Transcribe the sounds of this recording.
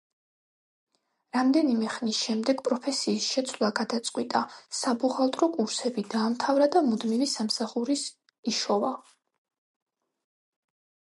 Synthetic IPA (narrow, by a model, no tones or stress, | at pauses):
ɾamd̪ɛnimɛχnisʃɛmd̪ɛɡ̥pʼɾɔpʰɛsiːsʃɛt̪sʰwlˠaɡad̪at̪sʼqʼwit̪ʼasabuʁalˠt̪ʼɾɔkʼuɾsɛbid̪aːmt̪ʰavɾad̪amud̪mivisamsaχuɾis | iʃɔva